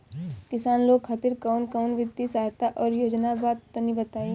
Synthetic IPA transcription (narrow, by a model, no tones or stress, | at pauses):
kɪsaːnloːɡxʰat̪ɪɾkaʊnkaʊnʋɪd̪isaːɦt̪aʔɔːɾjoːd͡ʒnabaːt̪ːənibɐt̪aːi